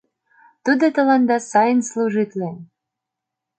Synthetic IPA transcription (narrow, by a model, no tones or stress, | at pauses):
t̪ud̪ot̪ə̆lɑnd̪ɑsɑjənslˠuʒɨt̪ʲlʲen